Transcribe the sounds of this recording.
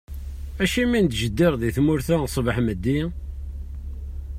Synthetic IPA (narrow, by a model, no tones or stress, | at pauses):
æʃimind̪ʒəd̪ːiɾðiθmʊɾθæsˤbəħməd̪ːi